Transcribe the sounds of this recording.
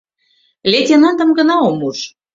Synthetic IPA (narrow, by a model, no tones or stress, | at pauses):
lʲet̪ʲenɑnd̪ə̆mɡə̆nɑomuʃ